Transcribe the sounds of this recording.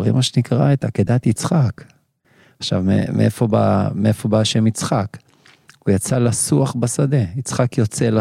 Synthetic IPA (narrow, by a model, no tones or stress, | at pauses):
ʁḭmaʃenikʁaet̪aked̪at̪it͡sχak | aχʃa̰vmḛmeʔefo̞ba̰meefo̞baaʃemit͡sχak | ujat͡salasuaχbasad̪e̞it͡sχakjo̞t͡sela